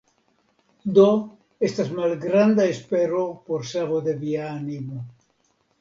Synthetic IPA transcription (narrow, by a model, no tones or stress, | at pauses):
d̪o | est̪azmalɡɾand̪aespeɾopoɾseɣoðeβianimo